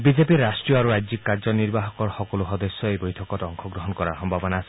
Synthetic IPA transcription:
bizepiɾasʈɹijɔaɾuɾajzikkːaɹzɔniɹbaɦɔkɔɹxɔkɔluxɔd̪esːɔejbojtʰɔkɔtɔŋxʰɔɡɾɔɦɔnkɔɾa̰ɹxɔmbʱabɔnaːse

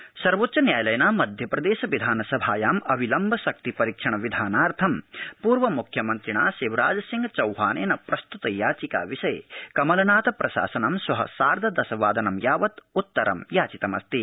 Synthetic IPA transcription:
sɐɾʋoːtːʃɐnjaːjɐlɐjɐnaːmɐd̪ʱjɐpɾɐd̪eːʃɐʋid̪ʱaːnɐsɐbʱaːjaːmɐbʱilɐmbʱɐʃɐk̚t̪ipɐɾikʂɐɳɐʋid̪ʱaːnaːɾt̪ʰɐmpuːɾʋɐmukʰjɐmɐnt̪ɾiɳa̰ːseːʋɾa̰ːd͡ʒɐsiŋɡt͡ʃɐwɦaːnḛːnɐpɾɐst̪ut̪ɐjaːt͡ʃika̰ːʋiʃɐjkɐmɐlɐnaːt̪ɐpɾʔɐʃa̰ːsɐnɐmsʋɐɦɐ̰saːɾd̪ʱɐd̪ɐsɐʋaːd̪ɐnɐmjaːʋɐt̪ut̪ːɐɾɐ̰mjaːt͡ʃit̪ɐmɐ̰st̪i

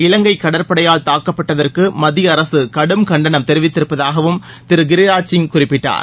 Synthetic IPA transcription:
ɪlɐŋɡɐɪkːɐɽɐɾpɐɽɐjaːɭt̪aːkːɐpːɐʈːɐðɐrkɯmɐðɪjɐːɾɐsɯkɐɽɯmkɐɳɖɐnɐmt̪ɛɾɪʋɪt̪ːɪɾɯpːɐðaːɣɐʋɯm | t̪ɪɾɯɡɪɾɪɾaːt͡ʃːɪŋkʊrɪpːɪʈːa̰ːɾ

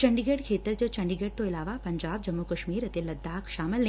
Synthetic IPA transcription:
t͡ɕɐɳɖiɡeɽkʰeːt̪əɾd͡ʑot͡ɕɐ̃ɳɖiɡeɽ̚t̪oɪlaːʋapɐɲd͡ʒaːb̚d͡ʒɐmːukəʃmiːɾɐt̪elɐd̪ːaːkʃaːməln

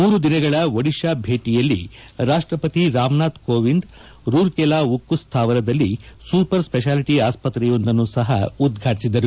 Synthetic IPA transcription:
muːɾud̪inɐɡɐɭɐʋɐɽiʂaːbʱe̞ːʈijɐlːḭɾaːʂʈɾɐpɐt̪iɾaːmnaːt̪koːʋind̪ | ɾuːɾkɛlaːukːust̪ʰaːʋɐɾɐd̪ɐlːisupɐɾspɛʃ̬aːliʈiaːspɐt̪ɾɛjo̞nd̪ɐnːuːsɐɦɐ̰ud̪ɡʱaːʈisid̪ɐɾu

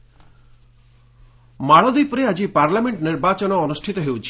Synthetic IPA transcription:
maɭɔd̪ipɔɾead͡ʒipaɾlameɳʈniɾbat͡ʃɔnɔːnusʈʰit̪ɔɦewt͡ʃʰi̥

